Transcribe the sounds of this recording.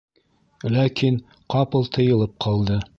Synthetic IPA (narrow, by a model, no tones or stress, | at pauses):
lækʰin | qɑpɤlˠt̪ʰɤ̆jɤ̆lˠɤp̚qʰɑlˠd̪ɤ